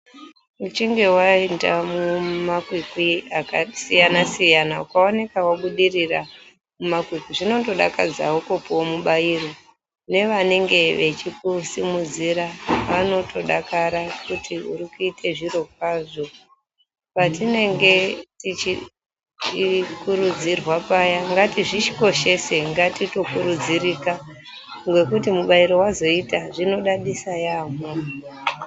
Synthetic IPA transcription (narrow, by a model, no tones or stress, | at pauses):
ut͡ʃiŋɡe̞waindamumakwikwiakasijanasijanaukaonekawaɓuɗirira | mumakwikiʐino̞to̞ɗa̰kad͡za̰okopowomuɓairo̞ | ne̞ʋane̞ŋɡe̞ʋe̞t͡ʃikusimud͡ziɾaʋano̞tʰo̞ɗakaɾakutʰiṵɾikuitʰe̞ʐiro̞k̚aːʐo̞ | patine̞ŋɡe̞tit͡ʃi | kuɾud͡zirwapajaŋɡatiʐit͡ʃi̥ko̞ʃe̞se̞ŋɡatito̞kuɾud͡zirika | ŋɡwe̞kutimuɓaiɾo̞wazo̞itaʐino̞ɗaɗisajaːmo